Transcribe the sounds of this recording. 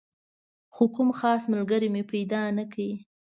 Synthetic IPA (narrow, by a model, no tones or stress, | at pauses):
xokʊmxɑsmalɡaɾimepajd̪ɑnakai